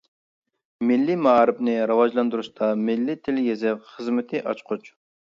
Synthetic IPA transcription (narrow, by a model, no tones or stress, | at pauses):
mɪlːimɑɾɨpnɨɾɨwɑʒlˠɑnd̪uɾuʃt̪ʰɑmɪlːit̪ʰɪljezɪpχəzmɪt̪ʰɪʔɑt͡ʃqʰʊt͡ʃ